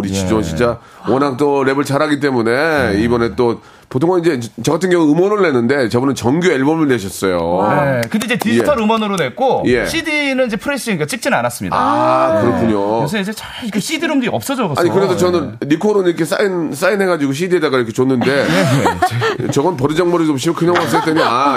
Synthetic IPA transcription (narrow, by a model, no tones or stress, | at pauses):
uɾit͡ɕid͡ʑoɕʰit͡ɕ͈a | wʌnak̚t͈oɾe̞bɯɭt͡ɕaɾaɡit̬͈e̞mune̞ibʌne̞t͈o | potʰoŋʌnid͡ʑe̞t͡ɕʌɡatʰɯnɡjʌŋuɯmʌnɯɭːe̞nːɯnde̞t͡ɕʌbunɯnt͡ɕʌŋɡjoeɭbʌmiɭneɕ̬ʰʌs͈ʌjoekɯndeid͡ʑetid͡ʑtʰaɾɯmʌnɯɾone̞k͈oje̞ɕ͈ʰid̪inɯnid͡ʑepʰɯɾes͈ɯiik͈at͡ɕ͈ʰik̚t͡ɕ͈inanas͈ɯmɲḭdaa̰kɯɾʌkʰuɲoes̬ʰʌid͡ʑet͡ɕa | ikɯɕ͈ʰid̪iɾomɡiiʌp̚s͈ʌd͡ʑoɡʌaɲikɯnedot͡ɕʌnɯnɾikʰoɾoniɾʌkʰe̞s̬͈a̰ins͈ainɦe̞ɡad͡ʑiɡoɕ̬ʰidiedaɡaiɾʌkʰe̞t͡ɕonːɯnde̞ | t͡ɕʌɡʌnpʌɾid͡ʑʌŋmʌɾidoɕ̬ʰimokʰɯɲʌŋas͈ɯt͈eɲia